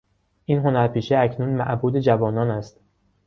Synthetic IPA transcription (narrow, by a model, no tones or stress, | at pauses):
ʔiːnɦo̞næɾpʰiːʃeæcʰnuːnmæ̰ʔbuːd̪ed͡ʒævɒːnɒːnæst̪